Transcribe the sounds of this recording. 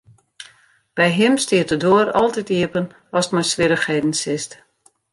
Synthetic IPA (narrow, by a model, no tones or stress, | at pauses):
b̥ɛjɦɪmstiətədoəɾɔ̰lˠtɛtiəpən | ɔstmɔjsʋɪɾəxheːdn̩sɪst